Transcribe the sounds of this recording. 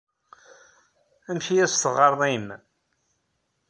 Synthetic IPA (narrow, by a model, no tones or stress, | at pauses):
æmçijæst̪əʁɑɾˤðˤim